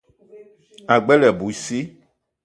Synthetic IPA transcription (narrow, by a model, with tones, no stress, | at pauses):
a˨ɡ͡bɛ˦lɛ˨bu˨si˦